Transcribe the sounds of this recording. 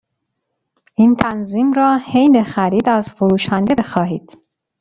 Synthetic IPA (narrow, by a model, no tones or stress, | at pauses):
ʔint̪ʰænziːmɾɒːhejnexæɾiːd̪æzfoɾuːʃænd̪ebe̞xɒːɦiːd̪̥